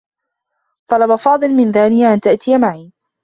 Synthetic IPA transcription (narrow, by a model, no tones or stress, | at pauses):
t̪ˤɑlɑbafɑːd̪ˤɨlmɪnðaːnɪjaʔant̪aʔt̪ɪjamaʕiː